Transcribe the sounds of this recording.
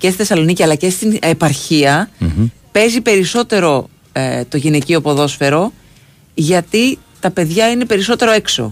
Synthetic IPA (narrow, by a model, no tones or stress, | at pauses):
ce̞st̪iθesɐlo̞niciɐlɐce̞st̪inepɐɾçiɐ | pe̞zipe̞ɾiso̞t̪e̞ɾo̞ | t̪o̞ʝineciopo̞ðo̞sfe̞ɾo̞ | ʝɐt̪i | t̪ɐpe̞ðʝɐine̞pe̞ɾiso̞t̪e̞ɾoe̞kso̞̰